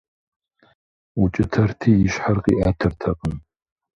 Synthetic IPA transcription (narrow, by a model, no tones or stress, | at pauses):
ut͡ʃʼɪtʰɐrtʰiːjɪʃħarqʼiːʔaːtʰɐrtʰɐqʼəm